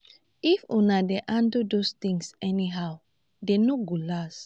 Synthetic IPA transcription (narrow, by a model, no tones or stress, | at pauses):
ifunadeʔãndudost̪ĩŋsɛniɦaw | denoɡolas